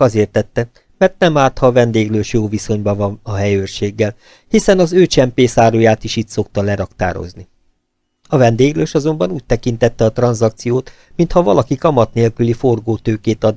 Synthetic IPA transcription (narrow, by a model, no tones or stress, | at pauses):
ɒzeːrt̪ɛt̪ːɛ | mɛrt̪̚nɛmaːt̪hɒvɛnd̪eːɡløːʃjoːviso̞ɲbɒvɒnɒɦɛjøːrʃeːɡːɛl | hisɛnɒzøːt͡ʃɛmpeːsaːɾoːjaːt̪iʃit̪so̞k̚t̪ɒlɛɾɒkt̪a̰ːɾo̰zni | ɒvɛnd̪eːɡløːʃɒzo̞mbɒnuːc̚t̪ɛkin̪t̪ɛt̪ːɛɒt̪rɒnzɒk̚t̪sijoːt̪ | mint̪hɒvɒlɒkikɒmɒt̪neːlkylifo̞rɡoːt̪øːkeːt̪ɒd̪